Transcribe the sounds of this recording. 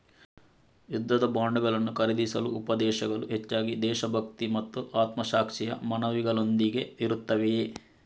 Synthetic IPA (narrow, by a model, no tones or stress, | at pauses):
jud̪ʱːɐd̪ɐbaːɳɖɐɡɐlɐnːukɐɾed̪isɐluːpɐd̪ɛːʃɐɡɐluɦet͡ʃːaːɡid̪ɛːʃɐbʱɐkt̪imɐt̪ːuʔaːt̪mɐʃaːkʂɛjɐ̰mɐnɐʋiɡɐɭo̞nd̪iɡe̞ʋiɾut̪ːɐʋe